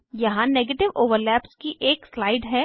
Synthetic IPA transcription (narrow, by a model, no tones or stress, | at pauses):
jɐɦãneːɡeːʈɪʋoːʋəɾlɛːpskiʔeːkslaːɪɖɦɛː